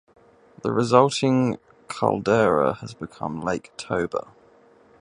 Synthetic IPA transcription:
ðə̰ɹɪzʌlˠtʰɪ̃ŋ | kʰə̰lˠdɛːɹəəzbɪkʰʌ̰̃mleɪktʰəʊbə̰

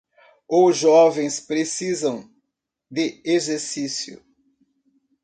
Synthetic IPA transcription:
oʒɔvẽj̃spɾesizɐ̃w̃ | d̪ɪezeɾsisjʊ̰

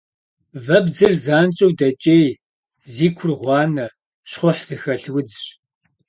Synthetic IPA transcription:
vɐbd͡zɨrzaːnt͡ʃʼɐwdɐt͡ʃʼeːj | ziːkʷʰʊrʁʷɑːnɐ | ʃχʷʊħz̥ɨxɐɬwʊd͡zɕ

